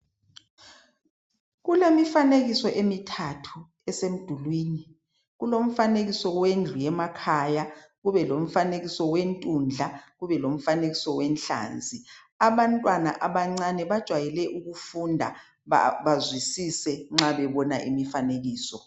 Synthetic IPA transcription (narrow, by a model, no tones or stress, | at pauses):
ɣulemifaneɣisɔʔemitʰatʰu | ɛsem̩d̥ʱulwiːni | ɣulom̩faneɣisɔwend͡ɮʱujɛmakʰajaɣuβɛlom̩faneɣisɔwentʼund͡ɮʱaɣuβɛlom̩faneɣisɔwɛnɬa̰ːnd͡zʱi | aβantʼwanaʔaβaŋ͡ǀanɛβad̥ʒ̥ʱwajɛlɛʔuɣufundʱa̰ | βazwisisɛŋ͡ǁaβɛβɔnaʔimifaneɣiːsɔ